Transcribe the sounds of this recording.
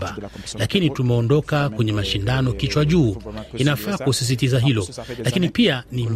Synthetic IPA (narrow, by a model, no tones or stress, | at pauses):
alakinitumɛɔndɔkakwɛɲɛmaʃindanɔkit͡ʃwaʄuːinafaːkusis̬itizaɦilɔlakinipianim